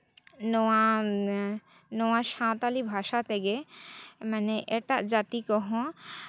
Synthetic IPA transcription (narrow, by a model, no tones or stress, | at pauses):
noa | noaʃãt̪alibʱaʃat̪eɡe | maneʔeʈad͡ʑat̪ikɔɦõ